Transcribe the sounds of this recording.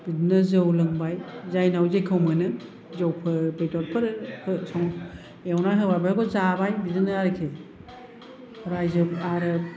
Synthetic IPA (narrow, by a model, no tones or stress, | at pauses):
b̥idnɯzɯwlɯŋbajzajnawzejkʰɯwmɯnɯ | zawpʰɯbejtɔt̚pʰɯɾhɯsɔŋ | wnaɦɯbabɾaɡɔzabajbidɯnɯaɾekʰe | hɾajzɯaɾɯ